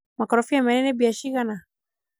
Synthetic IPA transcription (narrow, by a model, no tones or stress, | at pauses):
makɔɾɔfiamɛnɛnɛbiaʃiɣana